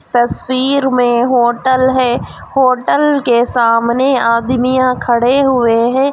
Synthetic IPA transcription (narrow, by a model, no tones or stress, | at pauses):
t̪ɐsfiːɾmẽɦoːʈəlɦɛː | hoːʈəlkesaːmneaːd̪mijãkʰɐɽeɦʊeɦɛ̃ː